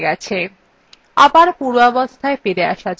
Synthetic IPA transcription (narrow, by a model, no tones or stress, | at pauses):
ɡɛt͡ɕʰe | abaɾpuɾɔbost̪ʰaefiɾea̰ʃad͡ʑ